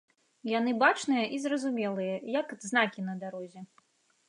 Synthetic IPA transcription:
janɨbat͡ʂnɨjɐʔizrɐzumʲɛlˠɨjɐjɐkɐd̪znakʲin̪ɐd̪aɾɔzʲɛ

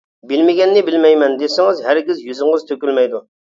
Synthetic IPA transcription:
bɪlmɪɡʲɛnːɪbɪlmɛjmɛnd̪esɪŋɨzɦæɾɡʲizjyzɪŋʁɨzt̪ʰøkʲylmɛjd̪u

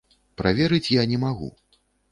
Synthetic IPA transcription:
pɾavʲeɛɾɨt͡sʲjanʲɛmaɣṵ

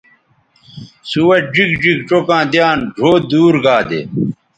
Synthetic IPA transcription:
suwɐd͡ʑikd͡ʑikʈ͡ʂokãːd̪jaːnɖʱoːd̪uːɾɡaːd̪ḛ

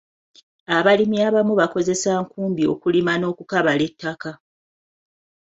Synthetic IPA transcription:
aβalimiaβamuβako̞ze̞saːŋkuːmbio̞̰kulimano̞ːkukaβale̞tːaka

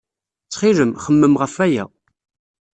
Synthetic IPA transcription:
t͡sːχiləmχəmːəmʁəfæjæ̰

